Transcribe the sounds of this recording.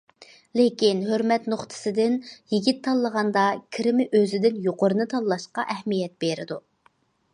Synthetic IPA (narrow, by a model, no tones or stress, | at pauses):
lekʲinɦøɾmɛt̪noχt̪ʰɨ̥sɨd̪ɪnjiɡʲit̪ʰːɑlˠːəʁɑnd̪ɑkʲʰiɾɪmɪʔøzɪd̪ɪnjoqʊɾɨnɨt̪ʰɑlːˠɑʃqɑʔɛhmijɛt̪̚beɾɪd̪u